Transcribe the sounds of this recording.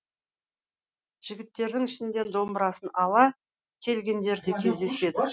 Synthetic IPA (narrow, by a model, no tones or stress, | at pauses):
ʒ̥ɪɡʲɪt̪ːe̞ɾd̪ɪŋɪʃɪnd̪e̞nd̪o̞mbəɾɑsənɑlˠɑ | kʲʰe̞lɡʲe̞nd̪e̞ɾd̪e̞kʲʰe̞zd̪e̞se̞d̪ɪ